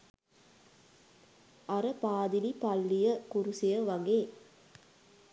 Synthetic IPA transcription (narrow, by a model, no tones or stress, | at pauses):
ɐɾɐpaːd̪ɪlipɐlːijɐkuɾusijɐʋɐŋɡeː